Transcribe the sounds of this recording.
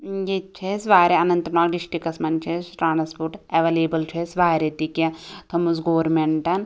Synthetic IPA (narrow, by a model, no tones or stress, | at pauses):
jet͡ʃʰesʋaːɾeɐnɐnt̪ɾɐɳaːkɖiʂʈikɐsmɐnt͡ʃʰesʈɾaːnspoɾʈeʋeleːbɐlt͡ʃʰesʋaːɾet̪ikjɐt̪ʰɐmusɡoːɾmeɳʈɐn